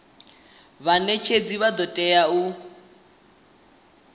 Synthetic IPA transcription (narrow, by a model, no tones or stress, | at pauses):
βanet͡ʃʰed͡ziβad̪ɔtʼɛjau